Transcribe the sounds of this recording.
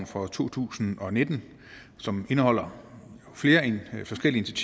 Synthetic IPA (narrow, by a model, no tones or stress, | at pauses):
n̩fʁɒ̽t͡sʰo̝̰ːt͡sʰṵːsn̩ɒ̽ne̝d̥n̩ | sɒ̽me̝nəɦɒ̽l̰ɐ | fle̝ːɐfɒ̽sɡ̥el̰ie̝nt͡sʰiɐt͡sʰi